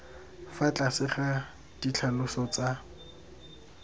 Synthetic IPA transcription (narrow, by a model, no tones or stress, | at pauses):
fat͡ɬʼasɪχa | d̥it͡ɬʰalʊsɔt͡sa